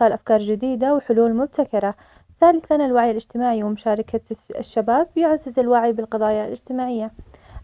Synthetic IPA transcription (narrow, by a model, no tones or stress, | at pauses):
aːlʔafkɑːɾˤd͡ʒɪd̪iːd̪awħʊluːlmʊb̚t̪ʰakɑɾˤɑ | θaːlɪθanɪlwaʕjɪlɪd͡ʒt̪ɪmaːʕiwɪmʊʃaːɾˤɑkaʃːabaːbjʊʕazɪzɪlwaʕibɪlqɑðˤɑːjalɪ̰d͡ʒt̪ɪmaːʕɪjːa